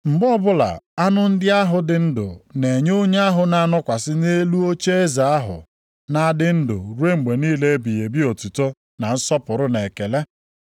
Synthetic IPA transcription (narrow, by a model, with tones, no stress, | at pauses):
m̩˨ɡ͡bɔ˦bʊ˦la̰˨a˦nʊ˦n̩˦dɪ˦a˦ɦʊ˨dɪ˨n̩˦dʊ̰˨ne˨ɲ˦o˦ɲe˦a˦ɦʊ˨na˨a˨nɔ˦kʷa˨sɪ˦ne˦lu˦o˦t͡ʃe˦e˦za˨a˦ɦʊ̰˨ | na˦dɪ˦n̩˦dʊ̰˨ɾwe˦ŋ͡m̩˨ɡ͡be˨niː˦le˦e˦bi˨je˨bi˦o˨tu˨to˦ | na˨n̩˦sɔ˦pʊ˨ɾʊ˦ne˨ke˨le˦